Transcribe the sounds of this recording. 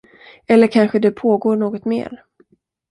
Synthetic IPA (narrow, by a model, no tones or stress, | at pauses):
ɛlːəɾkʰanɧəd̪ɛpʰoːɡoːɳoːɡɔt̪mḛːɾ